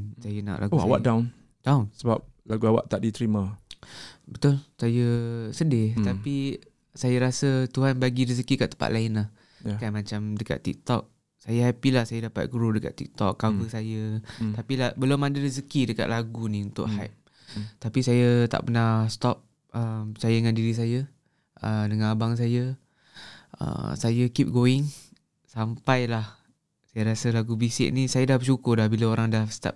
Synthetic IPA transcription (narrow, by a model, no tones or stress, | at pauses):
sajəna̰ʔlʔa̰ɡouawa̰ʔdawn | d̥awnsəbap̚laɡuawa̰ʔt̪aʔdit̪ɾimã | bət̪ʊlsajəsədɪht̪api | sajəɾasət̪uɦanbaɡiɾis̬əkikaʔt̪ə̥mpa̰ʔ̪laɪnlah | jkanmãt͡ʃamdəka̰tt̪ːḭk̚t̪ɔk̚ | sajaɦapilahsajadapa̰t̪̚kuɾudəka̰t̪t̪ːḭk̚t̪ɔkːawəsajəapilahbəlʊmadələs̬əkidəka̰ʔ̪laɡunĩunt̪ʊ̰ʔha̰p̚ | t̪apisajət̪a̰ʔpənast̪ɔp̚ | əmpət͡ʃajaəŋandiɾis̬ajə | ʔədəŋanabaŋs̬ajə | ə̰sajəkip̚ɡoɪŋ | sampajlah | sajaɾasalaɡubisɪ̰ʔ̚nisajadabəʃukʊrlahbilaoɾaŋdast̪a̰p̚